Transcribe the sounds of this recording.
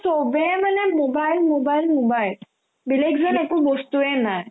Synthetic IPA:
sobemanɛmobajlmobajlmobajl | bilekzɔnekubɔst̪uɛnaj

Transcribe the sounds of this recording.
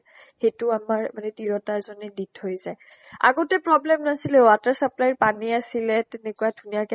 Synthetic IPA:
xetuamaɹmanɛdiɹɔtazɔnɛdithojzaj | a̰ɡotɛpɹɔblɛmnasilɛwataɹsaplajɹpaniasilɛtɛnɛkuwadʱunijakɛ

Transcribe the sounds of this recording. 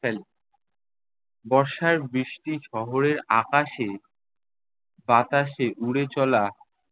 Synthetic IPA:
el | bɔɾʃaɾbɾiʃʈiʃɔɦoɾeɾa̰kaʃe | bat̪aʃeʔuɽet͡ɕɔla

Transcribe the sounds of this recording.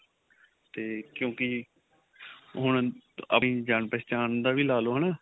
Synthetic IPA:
t̪eːkjõːkɪ | ɦʊɳə̰ĩːd͡ʒaːɳpɛːt͡ʃaːnd̪aːʋiːlaːloːɦənaː

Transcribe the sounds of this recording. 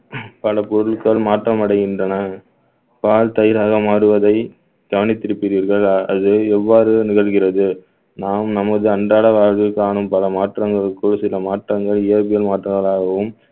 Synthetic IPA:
pɐlɐpɔɾɯlkɐɭmaːʈrɐmɐɽɐɪɣɪndrɐnɐ | paːlt̪ɐjɐɾaːɣɐmaːɾɯʋɐðɐɪ | k̪ɐʋɐnɪt̪ːɪɾɯpːɪɾiːɾɣɐɭɐðɯɛʋːaːɾɯnɪɣɐɭɣɪrɐðɯ | naːmnɐmɐðɯɐɳɖaːɽɐʋaːɾɣɯkːaːɳɯmpɐlɐmaːʈrɐŋɡɐɭɯkːɯɭsɪlɐmaːʈrɐŋɡɐɭɪjɐɾbɪjɐlmaːʈrɐɣɐɭaːɣɐʋɯm

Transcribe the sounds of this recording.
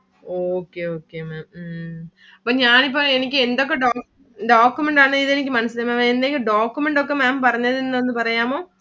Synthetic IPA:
oːkːeːoːkːeːmeːm | ɐpːoːɲaːnip̬ːoɛnɪk̬ʲːɯɛnd̪ɔk̬ːɐɖaː | ɖaːkːumɛɳʈaːnɐiðɛnɪk̬ːɯmɐnɐsɪleːmemɛnd̪eŋɡɯɖaːkːumɛɳʈɔkːɐmaːmpɐɾɐɲɐðɯnːɐʋɐnd̪ɯpɐɾɐjaːmõː

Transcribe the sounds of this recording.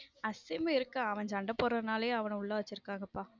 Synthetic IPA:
ɐsɪmɐɪɾɯkːɐɐʋɐɲd͡ʒɐɳɖɐpːɔɾːɐnaːlɐjõɐʋɐnɐ̃ʊɭːɐʋɐt͡ʃːɪɾɯkːaːŋɡɐpːaː

